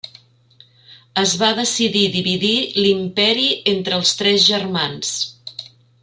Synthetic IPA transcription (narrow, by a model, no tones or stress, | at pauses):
əzβaðəsiðiðiβiðilimpɛɾient̪ɾəːlˠst̪ɾɛzʒərmans